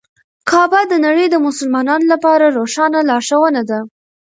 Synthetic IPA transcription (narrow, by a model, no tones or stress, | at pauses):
kʰɑbad̪ənaɽəjd̪əmʊsəlmɑnɑnolapɑɾaɾoʃɑnalɑʃawənad̪a